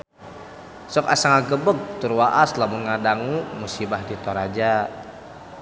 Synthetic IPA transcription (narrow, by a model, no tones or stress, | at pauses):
sɔkasaŋaɡəbək̚t̪uɾwaʔaslamuŋadaŋumusibahdit̪ɔɾad͡ʒa